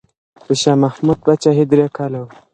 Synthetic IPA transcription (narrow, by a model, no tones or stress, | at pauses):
bəʃaːmahmud̪̚bat͡ʃaɦid̪ɾekʰalaw